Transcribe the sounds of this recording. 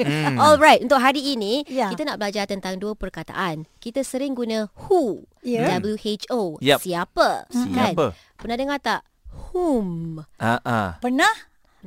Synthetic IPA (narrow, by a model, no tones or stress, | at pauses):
ɔlɾajt̪ʔunt̪ʊk̚ɦaɾiːnĩjkiənaʔbəlad͡ʒat̪ənt̪aŋduəpərkat̪a̰ʔankit̪əsəɾɪŋɡunə̃hudabəljuʔet͡ʃojsiapəkanə | pənadəŋat̪aʔ | humaʔapənah